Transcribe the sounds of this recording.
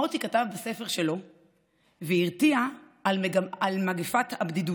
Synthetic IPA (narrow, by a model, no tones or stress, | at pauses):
ot̪ikatavbase̞feʁʃe̞lo̞ | veiʁt̪ia | lalmaɡefathabd̪idu